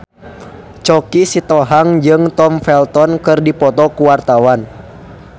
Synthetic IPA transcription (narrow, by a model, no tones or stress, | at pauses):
t͡ʃɔkisit̪ɔɦaŋd͡ʒɨŋt̪ɔmfɛlt̪ɔnkɨrdipɔt̪ɔkuwart̪awan